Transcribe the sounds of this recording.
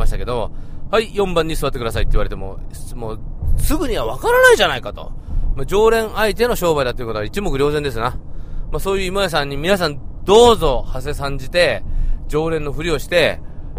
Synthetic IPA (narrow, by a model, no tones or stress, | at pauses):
maɕi̥t̪ake̞d̪o̞haijõ̞mbãɲ̟ːisɨβat̪ːekɯd̪asait̪ːeiβaɾe̞t̪emo̞̰mosɨɡɯ̟ɲ̟iβaβ̞akaɾanaiʑanaikat̪o̞̰mad͡ʑo̞ːɾẽ̞ɰait̪̬e̞no̞ɕo̞ːbaid̪at̪ːojiɯkot̪ait͡ɕimo̞kɯ̟ɾʲo̞ːzend̪e̞s̬ɨnamaso̞ːjɯ̟ːimojas̬ãɲ̟ːimʲinas̬ãnd̪o̞ːzo̞hase̞sãɲ̟d͡ʑit̪e̞d͡ʑo̞ːɾẽ̞nːo̞ɸɯ̟ɾʲio̞ɕi̥t̪e̞